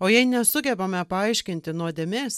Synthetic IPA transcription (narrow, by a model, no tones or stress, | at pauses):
oːjɛɪnʲɛsʊɡʲɛbɐmʲɛpɐɐɪʃʲkʲɪnʲt̪ʲɪnuɔd̪ʲemʲeːs